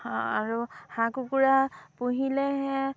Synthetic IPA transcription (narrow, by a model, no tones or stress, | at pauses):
hɔ̃a̰ɹuhakukuɹapuɦilɛɦɛ̃